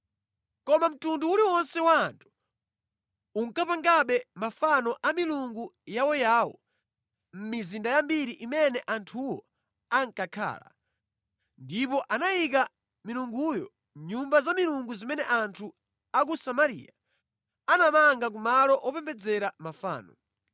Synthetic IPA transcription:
kɔmam̩tunduuliwɔnsɛwantʰu̥ | uŋ̩kapaŋɡaɓɛmafanɔʔamiluŋɡujawɔjaːwɔ̰ | m̩mizindajambiɾiʔimɛnɛʔantʰuwɔ | aŋkakʰa̰ːla̰ | ndipɔʔanajik̬a | miluŋɡujɔ̰ | ɲumbazamiluŋɡuzimɛnɛʔantʰu | ak̬usamaɾḭːa̰ | anamaŋɡak̬umalɔʔɔpɛmbɛd͡zɛɾamafa̰ːnɔ

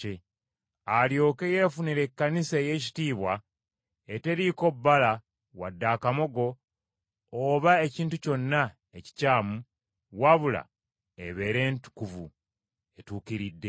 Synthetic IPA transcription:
e | aljo̞ːke̞jeːfuniɾe̞kːaniseːje̞ci̥tiːβwa | ete̞ɾiko̞bːala | wa̰dːakamo̞ɡo̞ː | βae̞ciːntuco̞nːa | eci̥caːmu | waβula̰ | eβe̞ːɾe̞ːntu̥kuvu | e̞tuːkiɾidːe̞

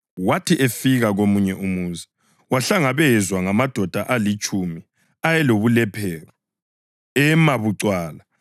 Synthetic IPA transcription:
watʰiʔefiɣaɣomuɲɛʔumuːzi | waɬaŋaβɛzwaŋamad̥ʱɔd̥ʱaʔalit͡ʃʼumi | ajɛloβulɛpʰɛːɣɔ | ɛmaβuǀwaːla

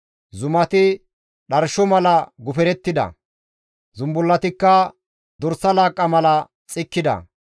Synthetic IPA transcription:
zʊmɐt̪ɪ | ɗɐɾʃɔmɐlɐɡʊfɛɾɛt̪ːɪd̪ɐ̰ | zʊmbʊlːɐt̪ɪkːɐ | d̪ɔɾsɐlaːkʼːɐmɐlɐ | t͡sʼɪkːɪd̪ɐ̰

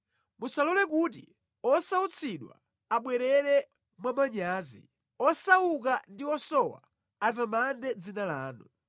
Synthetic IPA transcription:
musalɔlɛk̬ut̬ḭ | ɔsaut͡sʰiɗwa̰ | aɓwɛɾɛɾɛ | mwamaɲaːzḭ | ɔsaukandiɔsɔwa̰ | avamandɛd͡zinalaːnu

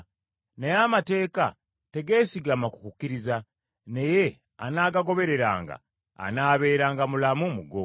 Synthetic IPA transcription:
nejamate̞ːka̰ | te̞ɡe̞ːsiɡamaku̥kukːiɾiza | ne̞je̞ | a̰naːɡaɡo̞βe̞ɾe̞ɾa̰ːŋɡa̰ː | naːβe̞ːɾaːŋɡamulamumuɡo

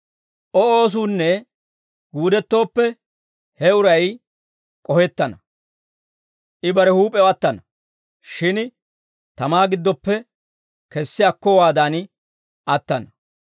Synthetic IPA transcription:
ʔɔoːs̬uːnːɛ | ɡuːd̪ɛt̪ːo̞ːpːɛ | hɛʊɾɐj | kʼɔhɛt̪ːɐnɐ | ʔɪbɐɾɛhuːpʼɛɐt̪ːɐnɐ | ʃɪn | t̪ɐmaːɡɪd̪ːɔpːɛ | kɛsːɪɐkːɔwaːd̪an | ɐt̪ːɐnɐ

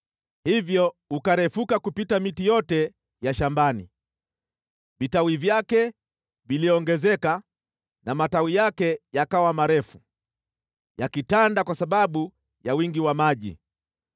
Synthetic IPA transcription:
hivjɔukaɾɛfukakupitamitijɔtɛ | jaʃambanḭ | vitawivjakɛ | viliɔɔŋɡɛzɛka | namatawijakɛjakawamaɾɛfu | jakitandakwasaɓaɓu | jawiŋɡiwamaʄḭ

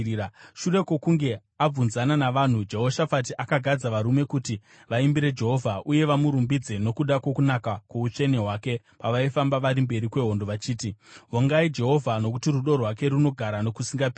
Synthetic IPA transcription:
ʃure̞ko̞kuŋɡe̞ | ab͡vunzananaʋan̤ud͡ʒe̞ɦo̞ʃafatiʔakaɡʱad͡zaʋaɾume̞kuti | ʋaimbiɾe̞d͡ʒe̞ɦo̞vʱaʔuje̞ʋamuɾumbid͡ze̞no̞kuɗakwo̞kunakakuut͡ʂe̞neɦwaːke̞ | paʋaifambaʋaɾimbe̞ɾikwe̞ɦo̞ndo̞ʋat͡ʃiːtiɦoŋɡaid͡ʒe̞ɦo̞vʱano̞kutiruɗo̞rwake̞ɾuno̞ɡʱaɾano̞kusiŋɡapː

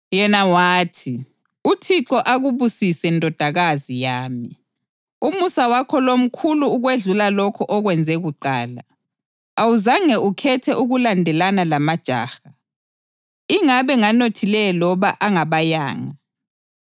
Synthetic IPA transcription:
jɛnawaːtʰi | utʰiǀɔʔaɣuβusisɛndʱɔd̥ʱaɣazijaːmi | umusawakʰɔlom̩kʰuluːɣweɮulalɔkʰɔʔɔɣwɛnd͡zʱɛɣuǃaːla̰ | awuzaŋɛʔukʰɛtʰɛʔuɣulandʱɛlanalamad̥ʒ̥ʱa̰ːxa | iŋaβɛŋanotʰilɛlɔβaʔaŋaβaja̰ːŋa

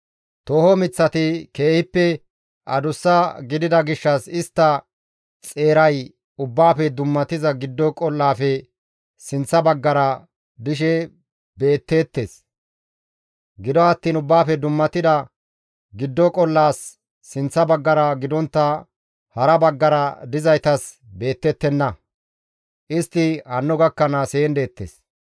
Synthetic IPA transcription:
t̪oːhɔmɪt͡sːɐt̪ɪke̞ːhɪpːɛ | ʔɐd̪ʊsːɐɡɪd̪ɪd̪ɐɡɪʃːɐsɪst̪ːɐ | t͡sʼe̞ːɾɐj | ʊbːaːfɛd̪ʊmːɐt̪ɪzɐɡɪd̪ːɔkʼɔlːaːfɛ | sɪnt͡sːɐbɐɡːɐɾɐ | d̪ɪʃ̬ɛ | be̞ːt̪ːe̞ːt̪ːe̞ːs | ɡɪd̪ɔɐt̪ːiːnʊbːaːfɛd̪ʊmːɐt̪ɪd̪ɐ | ɡɪd̪ːɔkʼɔlːaːsː | ɪnt͡sːɐbɐɡːɐɾɐɡɪd̪ɔnt̪ːɐ | hɐɾɐbɐɡːɐɾɐd̪ɪzɐjt̪ɐs | be̞ːt̪ːɛt̪ːɛnːɐ | ʔɪst̪ːɪhɐnːɔɡɐkːɐnaseːnd̪e̞ːt̪ːḛːs

